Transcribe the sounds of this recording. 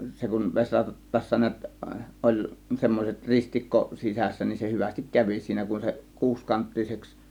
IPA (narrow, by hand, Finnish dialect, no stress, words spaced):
se kun ʋesʲrɑtːɑːsːɑ niæt olʲ semːoset ristikːo sisæsːæ nin se hyʋæstik kæʋi siːnæ kun se kuːskɑntːiseks